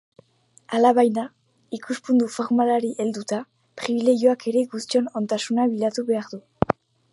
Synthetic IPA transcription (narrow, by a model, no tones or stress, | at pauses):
alaβajna | ikuspund̪ufoɾmalaɾiʔe̞ld̪ut̪a | pɾiβile̞ɣjoake̞ɾe̞ɡust͡ʃo̞no̞nt̪asunaβilat̪uβe̞aɾd̪u